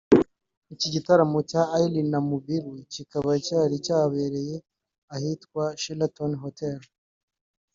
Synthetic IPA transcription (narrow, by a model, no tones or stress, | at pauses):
iciɟitaɾamocaʔːilinamubiɾucikaβaicaːɾicaːβeɾe̞je̞ | ahitkwaʃilatonɦotel